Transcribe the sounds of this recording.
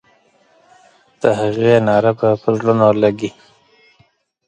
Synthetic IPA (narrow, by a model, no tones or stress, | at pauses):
d̪̥əɦaɣenɑɾepəpəzlunolaɡi